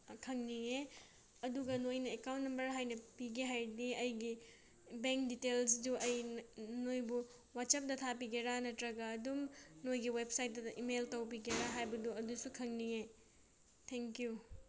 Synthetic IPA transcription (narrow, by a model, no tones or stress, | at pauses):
kʰɐŋnie | ɐduɡɐnojnɐekawntnɐmbɐɾɦajnɐpiɡeɦajdiɐjɡi | beŋk̚ditelsduʔɐjnnojbu | wat̚sɐp̚dɐt̪ʰapiɡeɾanɐtɾɐɡɐːdumnojɡiwep̚sajt̚dɐʔimeltɐwpiɡeɾaɦajbɐduɐdusukʰɐŋniŋe | tʰeŋkju